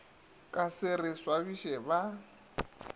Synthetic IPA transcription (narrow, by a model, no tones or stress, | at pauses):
kʼasɪrɪswaβiʃɛba